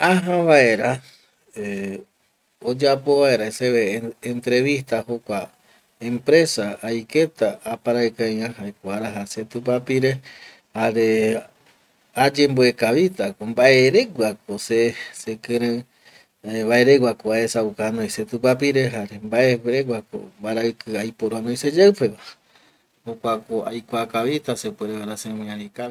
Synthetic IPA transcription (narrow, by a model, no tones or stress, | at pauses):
ãɦãβae̞ɾa | e | od͡ʒapo̞βae̞ɾaeseeːnt̪ɾe̞ʋiht̪ahokʷa | ẽmpɾe̞saːjke̞t̪aapaɾaekajãhaekoaɾaɦaset̪up̬apiɾe | haɾe | ad͡ʒe̞mboekaβit̪akombaʔeɾe̞ɡʷak̚osesekɨ̃ɾɨ̃ | βae̞ɾeɡʷwakoaesaukanõjset̪upapiɾe̞ɦaɾembaʔeɾeɡʷwako̰mbaɾaɨkɨajpoɾoanojsed͡ʒawpe̞βa | hokʷakoa̰jkʷakaβit̪asepweɾeβaɾasemĩãɾikai